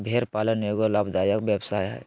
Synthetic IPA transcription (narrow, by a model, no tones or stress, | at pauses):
bʱeɾpaːlənjoɡolabd̪ajəkbjəbsaːjɦɛ̰